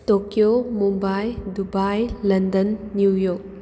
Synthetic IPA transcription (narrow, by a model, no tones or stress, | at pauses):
tokijomumbajdubajlɐndɐnːujɔk̚